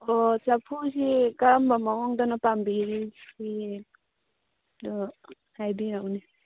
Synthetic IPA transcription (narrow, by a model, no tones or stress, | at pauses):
ɔt͡ʃapʰusikaɾmbamawɔŋdɔnapambiɾii | dɔ | hajbiɾawni